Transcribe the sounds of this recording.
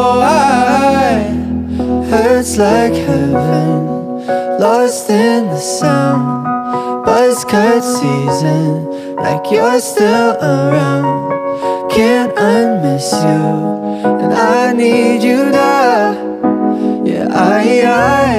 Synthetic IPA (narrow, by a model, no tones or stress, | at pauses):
oa | hɜ˞tslaɪkhævɪ̃ŋ | lɔstɪ̃nðəsãʊʊ̃n | b̥ʌskʰatsizɨ̃n | la̰ɪkʰjəstɪlˠəɹãʊ̃ndkʰæ̃naɪ̃mɪsjʉ | ɨ̰̃naɪnid͡ʒɨɾɨ | jæ̰ʔaɪa